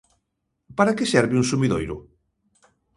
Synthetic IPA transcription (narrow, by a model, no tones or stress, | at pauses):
paɾakesɛɾβɪũŋsumiðo̰jɾʊ